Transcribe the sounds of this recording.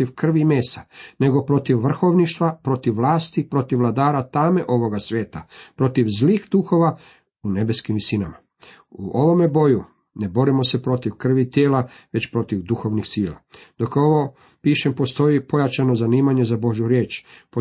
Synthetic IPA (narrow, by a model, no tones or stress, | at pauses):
iʋkr̩ʋimeːst̪ane̞ɡo̞pɾo̞t̪iʋːr̩xo̞ʋniʃt̪ʋapɾo̞t̪iʋːlˠaːst̪ipɾo̞t̪iʋlˠad̪aːɾat̪ame̞ʔo̞ʋo̞ɡasʋje̞ːt̪apɾo̞t̪iʋzlixd̪uxo̞ʋa | une̞be̞skimʋisinama | uʔo̞ʋo̞mebo̞ju | ne̞bo̞ɾimo̞se̞pɾo̞t̪iʋkr̩ʋit̪jeːlaʋe̞t͡ɕpɾo̞t̪iʋd̪uxo̞ʋnixsiːla̰d̪̥o̞ko̞ʋo̞ | piːʃempo̞st̪o̞ipo̞jat͡ʃano̞zaniːmaɲe̞zabo̞ʒjuɾje̞ːt͡ʃpo